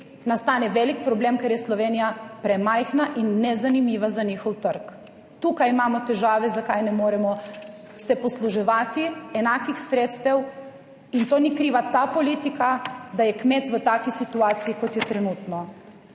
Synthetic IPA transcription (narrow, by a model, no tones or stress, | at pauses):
nast̪aːnɛʋɛlikpɾɔbleːmkɛɾjɛslɔʋeːnijapɾɛmajxnaʔinːɛzanimiːʋazaɲiːxɔwt̪əɾk | t̪ukajimaːmɔt̪ɛʒaːʋɛzakajnɛmoːɾɛmɔ | sɛpɔsluʒɛʋaːt̪iɛnaːkixsɾeːt̪st̪ɛw | int̪oːnikɾiːʋat̪apɔliːt̪ikad̪ajɛkmeːt̪ʋət̪aːkisit̪uaːt̪sijikɔt̪jɛt̪ɾɛnuːt̪nɔ